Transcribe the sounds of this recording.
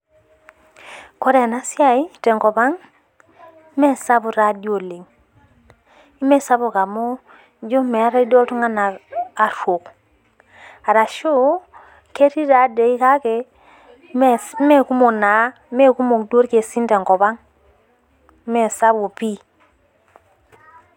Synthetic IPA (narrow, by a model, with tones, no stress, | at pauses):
ko˦ɾe˨na˦si˦a˨i˦te˨ŋko˨ba˦ŋ | i˦me˦sa˦bu˨ɾa˨do˨le˨ŋ | i˦me˦sa˦bu˨ka˨mo˦ | d͡ʒo˦me˨˦ɾa˦i˦do˦ltu˦ŋa˦naː˨ɾo˨k | a˨ɾa˨ʃo˦ | ke˦ɾi˦ɾa˨˦de˨i˦ka˦ke˨ | m˦me˦ku˦mo˨na˨˦ | me˦ku˦mo˨kdo˦ɾke˨si˦nte˨ŋko˨ba˦ŋ˦ | me˦˨sa˦bo˨pi˦